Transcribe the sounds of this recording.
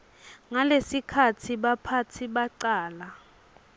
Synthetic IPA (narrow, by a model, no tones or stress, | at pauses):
ŋalesikʰatʰiɓapʰatʰiɓaǀaːla